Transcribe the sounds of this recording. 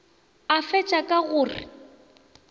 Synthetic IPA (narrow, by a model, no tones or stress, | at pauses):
afɛt͡ʃʼakʼaɣʊːrɪ̰